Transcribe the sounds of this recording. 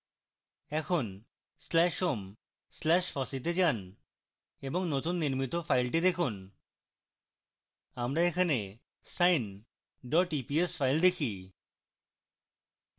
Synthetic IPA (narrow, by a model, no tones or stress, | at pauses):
ɛkʰon | slɛʃom | slɛʃfɔsit̪̬ed͡ʑan | eboŋnot̪unːiɾmit̪ofʰajlʈ̬id̪ekʰun | amɾaekʰane | sajn | ɖɔʈipiesfajld̪ekʰi